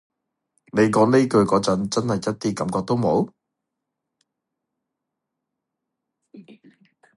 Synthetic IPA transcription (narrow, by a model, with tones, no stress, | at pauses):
ne˨˧jkɔː˨˥ŋne˥kɵ˧ɥkɔː˨˥t͡sɐ˨˧˥nt͡sɐ˥nhɐ˨jːɐ˥t̚t̪iː˥kɐ˨˧˥mkɔː˧k̚t̪o˥wmo˨˥w